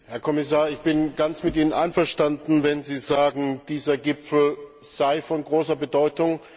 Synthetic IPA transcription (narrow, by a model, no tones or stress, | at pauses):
hɛɐkʰɔmɪs̬aːɐɪçb̥ɪnɡant͡smɪtʔiːnənʔaɪnfɐʃtandn̩vɛnziːzaːɡŋ̩d̥iːzɐɡɪpfl̩z̥aɪfɔnɡʁoːsɐbədɔʏtʊŋ